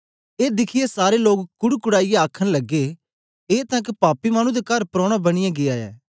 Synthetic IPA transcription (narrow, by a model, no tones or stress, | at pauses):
eːd̪ɪkʰɪjesaːɾeloːkkʊɽkʊɽaːijeaːkʰəɽ̃lɐɡːe | eːt̪ɐ̃kpaːpːimaːñũd̪ekɐɾpɾɔ̃ːɽ̃abɐɽ̃ɪjãɡɪaːɛ̰ː